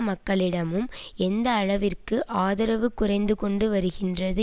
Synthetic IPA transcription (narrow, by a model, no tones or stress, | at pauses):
mɐkːɐɭɪɽɐmɯmɛnd̪ɐːɻɐʋɪrkɯʔaːðɐɾɐʋɯkːʊrɐɪnd̪ɯkɔɳɖɯʋɐɾɯɣɪndrɐðɯ